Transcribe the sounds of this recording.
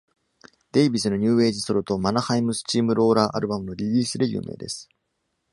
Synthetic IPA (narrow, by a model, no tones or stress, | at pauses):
d̪e̞ibʲisɨno̞ɲ̟ɨːe̞ːʑisoɾo̟t̪o̞manahaimɯ̟sɨ̥t͡ɕiːmɯ̟ɾo̞ːɾaːʔaɾɯ̟bamɯ̟no̞ɾʲiɾʲiːsɨd̪ejɯ̰ːmʔḛːd̪e̞̰sɨ̥